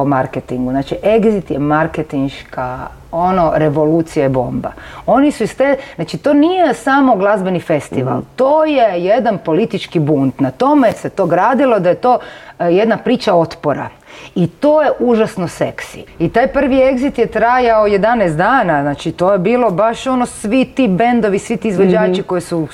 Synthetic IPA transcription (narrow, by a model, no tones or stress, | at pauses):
omaɾket̪iŋɡuznat͡ʃiʔe̞ɡzit̪jemaɾket̪inʃka | ono̞ɾe̞ʋo̞lut̪sijaibo̞̰mba̰o̞nisuist̪eznat͡ʃit̪o̞ːnijesamo̞ɡlˠazbenife̞st̪iʋa̰lt̪oːjejed̪anpo̞lit̪it͡ʃkibunt̪nat̪o̞meset̪o̞ɡɾaːd̪ilˠod̪ajet̪o̞jed̪napɾiːt͡ʃao̞t̪poɾa̰ | it̪o̞jeʔuʒasnose̞ksḭit̪aːjpr̩ʋie̞ɡzit̪jet̪ɾajaojed̪anɛst̪d̪aːnaznaːt͡ʃit̪o̞jebiːlo̞baʃo̞nosʋit̪ibe̞nd̪o̞ʋisʋit̪iːzʋod͡ʒaːt͡ʃiko̞jisu